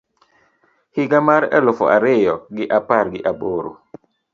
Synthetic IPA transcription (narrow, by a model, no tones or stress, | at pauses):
hiɡamaɾɛ̰lʊfɔ̰ʔaɾɪjɔɡɪʔapaɾɡɪʔaboːɾo̰